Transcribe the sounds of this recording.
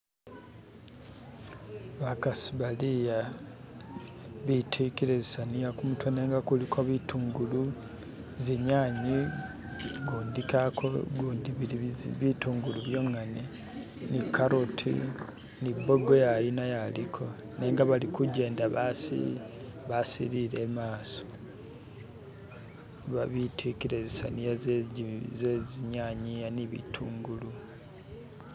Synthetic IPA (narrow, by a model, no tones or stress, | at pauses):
βakasiβalija | βitʰikiɾezisanijakumutʰwoneːŋɡakulikʰoβitʰuːŋɡulu | zeɲaːɲi | ɡuːndikakʰoɡundiβituːŋɡuluβjo̞ŋane | nikːaɾotʰḭ | nibːo̞ɡejajinajalikʰo̞ | neːŋɡaβalikuɟe̞ːndaβasḭβasḭɾiɾe̞maːso̥ | βaβitʰikiɾezisa̰nija | zeziɲaːɲijaniβḭtʰuːŋɡulu